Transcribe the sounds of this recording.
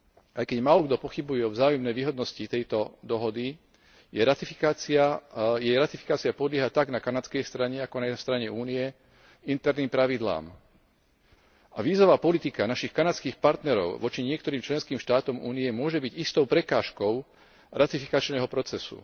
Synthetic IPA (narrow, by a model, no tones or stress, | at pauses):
ʔajkɛɟmaːlɔɡd̪ɔpɔxibujɛɔvzaːjumnɛjʋiːɦɔd̪nɔscit̪ɛjt̪ɔd̪ɔɦɔd̪i | jɛɾat̪ifikaːt͡siajɛjɾat̪ifi̥kaːt͡siapɔd̪lɪɛɦat̪aɡnakanat͡skɛjst̪ɾaɲɛakɔnast̪ɾaɲɛuːnijɛ | int̪ɛɾniːmpɾaʋid̪la̰ːm | aʋiːzɔʋaːpɔlit̪ikanaʃixkanat͡skiːxpaɾt̪nɛɾɔ̰ʊʋɔt͡ʃiɲɪɛkt̪ɔɾiːmt͡ʃlɛnskiːmʃt̪aːt̪ɔmṵːnijɛmʊɔʒɛbiɟist̪ɔʊpɾɛkaːʃkɔʊ | ɾʔat̪ifikat͡ʃnɛːɦɔpɾɔt͡sɛsṵ